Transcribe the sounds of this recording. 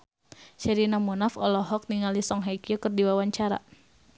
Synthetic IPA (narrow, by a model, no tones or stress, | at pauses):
ʃɛɾinamunafɔlɔɦɔk̚niŋalisɔŋɦakiɔkərdiwawaɲt͡ʃaɾa̰